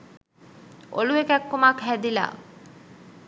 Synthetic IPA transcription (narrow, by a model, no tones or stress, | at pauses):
ʔo̰luekækːomakɦæd̪ila̰ː